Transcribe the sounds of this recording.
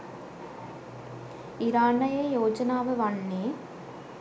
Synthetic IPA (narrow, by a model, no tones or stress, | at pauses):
ɪɾaːnɐjɐjoːd͡ʒɐnaːʋɯʋɐɳːeː